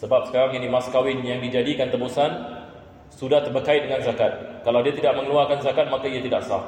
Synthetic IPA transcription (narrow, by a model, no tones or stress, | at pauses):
səbap̚sə̥kaɾaŋinimãskawɪnjaŋdid͡ʒadikant̪əbosan | sudaht̪ərbəkaɪt̪̚dəŋanzakat̪̚kalawdiat̪idaʔ̚mə̃ŋəluarkanzakat̪̚makaiat̪idaʔsah